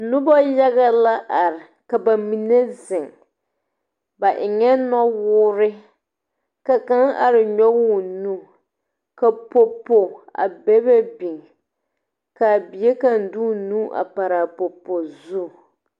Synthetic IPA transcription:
nʊ˦bɔ˦ja˦ɣa˦la˦ʔa˨ɾɪ˨ | ka˨ba˨mi˨ne˦zɪ˨ŋ | ba˨ʔɪ˨ŋɛ˦nɔ˦wʊː˦ɾɪ˦ | ka˨ka˦ŋa̰˨ɾɪ˨ɲɔ˦wʊ˦nu˦ | ka˨po˨po˨a̰˨bɛ˦bɛ˦bi˨ŋ | ka˨bi˨e˦ka˦n̩˨duː˦nuː˦ʔa̰˨pa˨ɾa˨po˨po˨zu˦˨

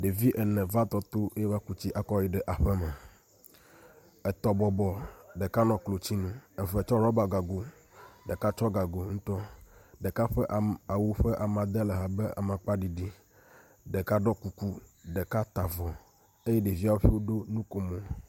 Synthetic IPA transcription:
ɖe˨vi˦ʔɛ˨nɛ̃˨va˦t̪ɔ˦t̪o˦e˦jɛ˦va˦ku˦t͡ɕi˦ʔa˨kɔ˦ji˨ɖɛ˨ʔa˨ɸɛ˦mɛ˨ | ɛ˨t̪ɔ˨bɔ˨bɔ˨ɖɛ˨ka˦nɔ̃˨klo˨t͡ɕi˦nũ˦ɛ˨vɛ˨t͡ʃɔ˦ɾɔ˦ba˨ɡa˨ɡo˨ | ɖɛ˨ka˦t͡ʃɔ˦ɡa˨ɡo˨ŋũ˦t̪ɔ˦ɖɛ˨ka˦ɸɛ˦ʔa˨wu˦ɸɛ˦ʔa˨mã˨d̪ɛ˦lɛ˨ɦa˨bɛ˦ʔa̰˨mã˨k͡pa˦ɖi˨ɖi˦ | ɖɛ˨ka˦ɖɔ˦ku˨ku˦ɖɛ˨ka˦t̪a˨vɔ˨ | e˦jɛ˦ɖe˨vi˦a˦wo˦ɸi˦wo˦ɖo˦nũ˦ko˨mõ˨

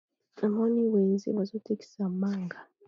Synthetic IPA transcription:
a˨mo˦ni˦we˨nzḛ˦βa˨zo˦tʰe˦ki̥˦sa˨maː˦˨ŋɡʱa˨

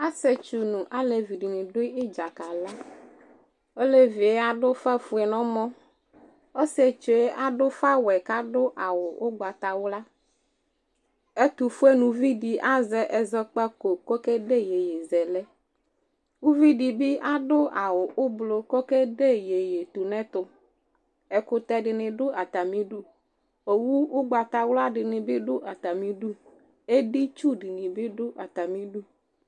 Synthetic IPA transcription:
a˦sɛ˦t͡ʃu˨nũ˨ʔa˦le˨vi˨ɖi˨nĩ˨ɖo˦i˦d͡ʒa˨ka˨la˦ | o˦le˦vi˨e˦a˨ɖo˦fɛ˦fu˨ɛ˨nɔ̃˦mɔ̃˦ | o˦sɛ˦t͡ʃo˨e˦ʔa˦ɖo˦fa˦wɛ˨ka˦ɖo˦ʔa˨wo˨o˦ɡ͡ba˨t̪a˨wla˦ | e˦t̪u˨fu˦e˦nũ˨vi˦ɖi˨ʔa˦zɛ˦ʔɛ˨zɔ˦k͡pa˦ko˨ko˦ke˦ɖe˦je˨je˨zɛ˨lɛ˦ | wu˦vi˦di˨bɪ˦ʔa˦ɖʊ˦a˨wʊ˨ʔʊ˦blo˨ko˦kɛ˦ɖe˦˨je˨je˨t̪u˨nɛ̃˦t̪ʊ˦ | ɛ˨kʊ˨t̪ɛ˨ɖɪ˨nɪ̃˨ɖʊ˦a˨t̪a˨mĩ˦ɖu˦ | o˨wu˦ʊ˦ɡ͡ba˨t̪a˨wla˦ɖɪ˨nɪ̃˨bɪ˦ɖʊ˦ʔa˨t̪a˨mĩ˨˦ɖu˦ | e˦ɖɪ˦t͡ʃu˦ɖi˨nɪ̃˨bɪ˦ɖʊ˦ʔa˨t̪a˨mĩ˦ɖu˦

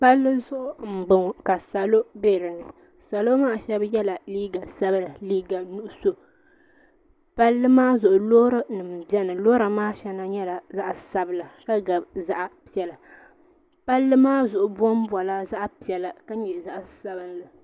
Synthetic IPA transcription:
pa˦lːɨ˦zʊ˦ʔʊ˨m̩˨ɡ͡bɨ˨ŋ˨ka˨sa˨lo˦be˦˨ɾɨ˨nɨ˨ | sa˨lo˦maː˦˨ʃɛ˦bjɛ˦la˨liː˦ɡa˨sa˦bɨ˦la˨liː˦ɡa˨nu˦ʔʊ˨˦so˦ | pa˦lːɨ˦maː˦zʊ˨ʔʊ˨loː˦ɾɨ˦nɨ˨m̩˨bɛ˦nɨ˨loː˦ɾa˨maː˦ʃɛ˦na˦ɲɛ˦la˨za˦ʔsa˦bɨ˦˨la˨ka˦ɡa˨bza˦ʔa˨pi˦ɛ˨la˨ | pa˦lːɨ˦maː˦zʊ˨ʔʊ˨bɔ˦m˦ba˨la˦za˦ʔpi˨ɛ˨la˨ka˦ɲɛ˨za˦ʔsa˦bɨ˨˦la˨

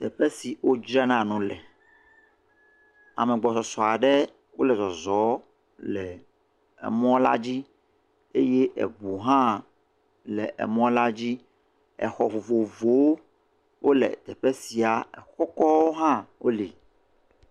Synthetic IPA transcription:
t̪ɛ˨ɸɛ˦si˨wo˦d͡ʒɾa˦nã˨nũ˦lɛ˨ | a̰˨mɛ̃˨ɡ͡bɔ˨sɔ˨sɔ˨a˨ɖɛ˦ | wo˦lɛ˨zɔ˨zɔ˨˦ | lɛ˨ | ɛ̰˨mɔ̃˦la̰˦d͡ʑi˦ | e˦je˦ʔɛ̰˨bu˨ɦã˦ | lɛ˨ʔɛ̰˨mɔ̃˦la˦d͡ʑi˦ | ɛ̰˨xɔ˨vo˨vo˨vo˨wo˦ | wʔo˦lɛ̰˨t̪ɛ˨ɸɛ˦si˨a˨ɛ˨xɔ˦kɔ˦wo˦ɦã˦wo˦li˨

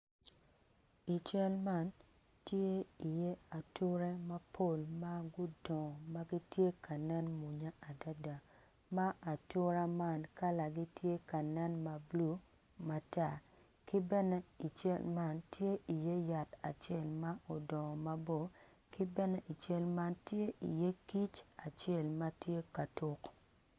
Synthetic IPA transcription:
i˨t͡ʃɛ˦lma˦˨n | tje˦i˨je˦a˨tʊ˦ɾe˦ma˦pʰo˦˨lma˦ɡʊ˦dɔ̃˨ma˦ɡi˦tje˦kʰa˨nɛ˦nmu˨ɲa˦a˨da˦da˨ | ma˦ʔa˨tʊ˦ɾa˦ma˦˨nka˦la˨ɡi˦tje˦ka˨nɛ˦nma˨blu˦ | ma˨ta˦ | ki˦bɛ˦nɛ˦i˨t͡ʃḛ˦lma˦ntje˦ʔi˨je˦ja˨ta̰˨t͡ʃe˦˨lma˦ʔo˨dɔ˨ma˦bo˦ | kɪ˦bɛ˦nɛ˦ʔi˨t͡ʃe˦lma˦ntje˦ḭ˨je˦ki˦t͡ʃa˨t͡ʃe˦˨lma˦tje˦ka˨tʊ˦k

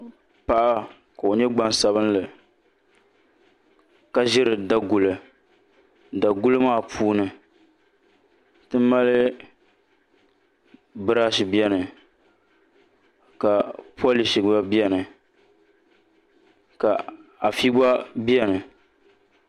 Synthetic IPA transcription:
pa˨ʔa˦ | ka˨o˨ɲɛ˦ɡ͡ba˦nsa˦βɨ˦n˦lɨ˨ | ka˦ʒɪ˦ɾɨ˨da˦ɡu˨lɨ˨ | da˨ɡʊ˦lɨ˦maː˦˨pʰuː˦nɨ˨ | tɨ˦m˦mːa˦lɨ˦ | bɨ˦ɾaː˦ʃi˨bi˦ɛ˦nɨ˨ | ka˨pu˦a˦li˨ʃi˨˦ba˦bi˦ɛ˦nɨ˨ | ka˨a˨fi˦ba˦bi˦ɛ˦nɨ˨

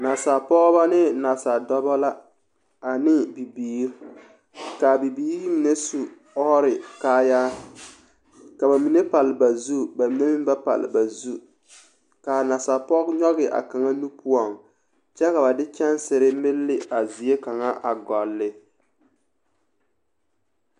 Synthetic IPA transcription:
na˨sa˨pɔ˦ɣba˦nɪ˦na˨sa˨dɔ˦ba˦la˦ | a˨nɪ˦bi˨biː˨˦ɾ | ka˨bi˨biː˦ɾɪ˦mi˨ne˦su˨ | ɔ˦hɾɪ˨kaː˦ja˦ | ka˨ba˨mi˨ne˦pa˨lɪ˨ba˨zu˦ba˨mi˨ne˦mi˦ba˦pa̰˨lɪ̰˨ba˨zu˦ | ka˨na˨sa˨pɔ˦kɲɔ˦ɣɪ˨ʔa̰˨ka˨ŋa˦nu˦pʰu˦ɔ˨ŋ | t͡ʃɛ˦ka˨ba˨dɪ˦t͡ʃɛ˦nsɪ˨ɾɪ˦mɪ˦lːɪ˦a˨zi˨e˦ka˨ŋa˦ʔa˨ɡɔ˨lːɪ˦

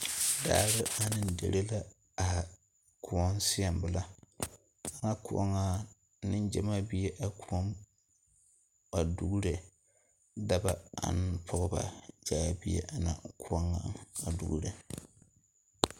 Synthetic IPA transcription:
da̰ː˦ɾɨ˦a˦nɨ˦ndḛ˨ɾe˦la˦ | a˨ | kʰu˨ɔ˦nsɪ˦a˨mbɨ˨la˦ | a˨ŋa˦ku˨ʔɔ̰˦ŋa˦ | nɨ˦nd͡ʒɛ˨ma˦bi˦e˦ʔa˨kʰu˨ɔ˦m | ba˨du˦ɡu˦ɾe˨ | da˦ba˦a̰˨n˦pʰɔ˦ɣɨ˦ba̰˨d͡ʒa˨˦˨bi˦ḛ˦ʔa˨na̰˨kʰu˦ɔ˦ŋːa˨˦a˨dṵ˨ɡṵ˦ɾe˨

